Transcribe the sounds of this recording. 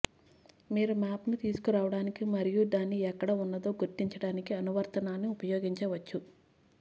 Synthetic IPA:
miːɾumaːpnut̪iːsu̥kuɾaːʋɐɽaːnikimɐɾijud̪aːnːiɛkːɐɽɐunːɐd̪o̞ːɡuɾt̪iɲt͡ʃɐɽaːnikiɐnuʋɐɾt̪ɐnaːnːiupɐjoːɡiɲt͡ʃɐːʋɐt͡ʃːu

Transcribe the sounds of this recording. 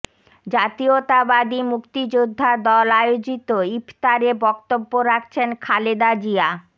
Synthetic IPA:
d͡ʑat̪iot̪abad̪imukt̪id͡ʑud̪ʱːad̪ɔlaeod͡ʑit̪oipt̪aɾebɔkt̪obːoɾak̚t͡ɕʰenkʰaled̪ad͡ʑia

